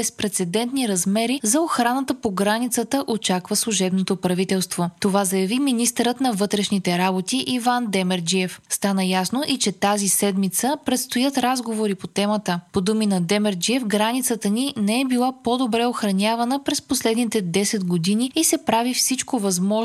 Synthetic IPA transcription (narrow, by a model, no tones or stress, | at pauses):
bɛspɾɛt̪sɛd̪ɛnt̪niɾɐzmɛɾizɐoxɾanət̪əpoɡɾanit̪sət̪əʔot͡ʃakvəslˠuʒɛbnot̪opɾɐvit̪ɛlˠst̪vot̪ovazɐjɐviminist̪ɛɾət̪nɐvɤt̪ɾɛʃnit̪ɛɾabot̪iʔivand̪ɛmɛɾd͡ʒiɛfst̪anəjasnoʔit͡ʃɛt̪azisɛd̪mit̪səpɾɛt̪st̪ojət̪ɾazɡovoɾipot̪ɛmət̪əpod̪uminɐd̪ɛmɛɾd͡ʒiɛfɡɾanit̪sət̪əninɛɛbilˠapod̪obɾɛoxɾɐnʲavənəpɾɛsposlɛd̪nit̪ɛd̪ɛsɛt̪ɡod̪iniisɛpɾavifsit͡ʃkovɐzmɔ